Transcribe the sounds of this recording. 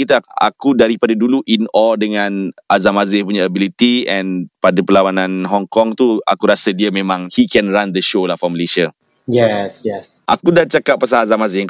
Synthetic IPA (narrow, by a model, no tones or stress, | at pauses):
kit̪əa̰kudaɾipadaduluʔinɔldəŋãnʔazamazɪpuɲaːbilit̪iɛ̃npadapəlawanãnɦɔŋkɔŋt̪ua̰kuɾasədiəmẽmãŋhikɛ̃nɹand̪əʃolafɔməleʃə | jɛsjɛsʔa̰kudat͡ʃakappːas̬aazamazɪhŋk